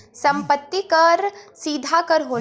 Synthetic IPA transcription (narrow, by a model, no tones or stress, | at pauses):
sɐ̃mpət̪ːikɐɾsiːd̪ʱakəɾɦoː